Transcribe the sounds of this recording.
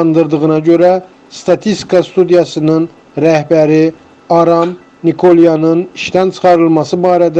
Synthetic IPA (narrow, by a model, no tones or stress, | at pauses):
nd̪ɯɾd̪ɯɣɯnɑɟøɾæ | st̪ʰɑt̪ʰist̪i̥kʰɑst̪ud̪ijɑsɯnɯn | ɾæhbæɾi | ɑɾɑm | nikʰolˠjɑnɯniʃt̪ænt͡ʃʰɯ̥χɑɾɯlˠmɑsɯbɑːɾɛd̪